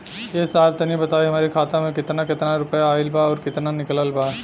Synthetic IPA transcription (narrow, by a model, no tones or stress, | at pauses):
jesaːlt̪ɐnibɐt̪aːiɦɐmaːɾikʰaːt̪amẽkɪt̪nakɪt̪naɾʊpəjaːɪlbaɔːɾkɪt̪nanɪkələlbaː